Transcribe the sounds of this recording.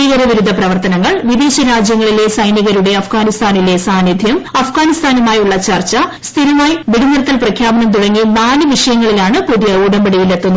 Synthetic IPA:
iɣɐɾɐʋiɾud̪ʱːɐprɐʋɐrt̪ɐnɐŋːɐɭʋid̪eːɕɐɾaːd͡ʑjɐŋːɐɭile̞sɐjnjɐɣɐɾuɽe̞ɐfɡaːnist̪ʰaːnile̞saːnid̪ʱjɐmɐfɡaːnist̪ʰaːnɐmaːjuɭːɐt͡ɕɐrt͡ɕːɐst̪ʰilɐmaːjʋiɽunɐɾɐt̪ːɐlprɐkʰjaːbɐnɐmt̪uɽɐŋːimaːnɐʋiʂɐjɐŋːɐɭilaːɳɨpuðijɐuːɽɐmbeɽɐjilet̪ːunːu

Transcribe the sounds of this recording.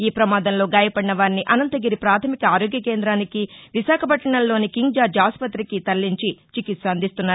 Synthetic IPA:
iːpɾɐmaːd̪ɐmlo̞ːɡaːjɐpɐɽinɐʋaːɾniʔɐnɐnt̪ɐɡiɾipɾaːt̪ʰɐmikɐaːɾoːɡjɐke̞ːnd̪ɾaːnikiʋiʃaːkʰɐpɐʈːɐɳɐllːo̞ːnikiŋɡd͡ʒaːɾd͡ʒaːspɐt̪ɾikit̪ɐlːiɲt͡ʃit͡ʃikit̪sɐːnd̪ist̪unːaːɾu

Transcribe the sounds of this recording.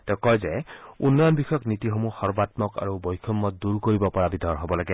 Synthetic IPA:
tɛʊkɔjzɛunːɔjɔnbixɔjɔknitixomuxɔɹbatmɔka̰ɹubɔjkʰɔmːɔt̚duɹkoɹibɔpɔɹabidʱɔɹɦobɔlaɡɛ

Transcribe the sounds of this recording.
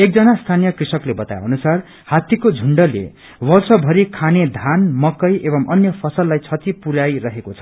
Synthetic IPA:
ek̚d͡zʌnast̪ʰanijʌkrisʌklebʌt̪ajʌnusar | hat̪ikod͡zʱuɳɖʌlḛ | bʌrsʌbʱʌɾikʰaned̪ʱanmʌkʌjebʌmʔʌnjʌpʰʌsʌlːajt͡sʰʌt̪ipuɾajrʌɦekot͡sʰʌ̥

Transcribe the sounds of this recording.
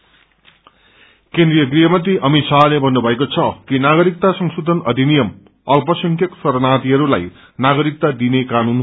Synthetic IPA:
kend̪ɾijʌɡrijʌmʌnt̪iʔʌmisaɦlebʱʌnːubʱʌekot͡sʰʌkinaɡʌɾik̚t̪asʌŋsud̪ʱʌnʌd̪ʱinijʌm | ʌlpʌsʌŋkʰjʌksʌɾnat̪iɦʌɾula̰j | naɡʌɾik̚t̪ad̪inekanun

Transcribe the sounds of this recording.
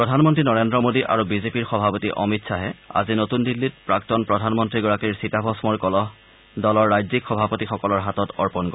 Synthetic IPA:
ppɹɔdʱanmɔntɹinɔɹendɹɔmodiʔa̰ɹubizepiɹxɔbʱapotiʔɔ̰mitsaɦɛa̰zinotundilːit̚pɹaktɔnpɹɔdʱanmɔntɹiɡɔɹakiɹsitabʱɔsmɔɹkɔlɔɦ | dɔlɔɹːajzikxɔbʱapotixɔkɔlɔɹɦatɔtɔɹpɔnɡɔ

